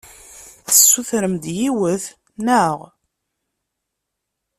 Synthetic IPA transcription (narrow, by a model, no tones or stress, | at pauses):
θəsːuθɾəmd̪jiwəθ | næʁ